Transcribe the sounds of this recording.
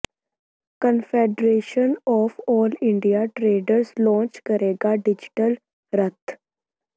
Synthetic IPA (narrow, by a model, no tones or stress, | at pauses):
kənfeɖɾeːʃənɔːfɔːlɪ̃ɳɖijaʈɾeːɖəɾslɔ̃ːnt͡ʃkəɾeːɡaɖɪd͡ʒʈəl | ɾət̪